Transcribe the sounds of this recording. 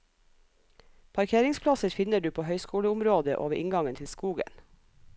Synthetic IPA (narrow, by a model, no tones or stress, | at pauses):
pʰɑɾkʰeːɾɪŋspʰlɑsəɾfɪnəɖʉːpʰoːhœʏskuːləʊmɾoːd̪əʔo̰ːʋəʔɪŋɡɑŋənt̪ʰɪlskuːɡə̰n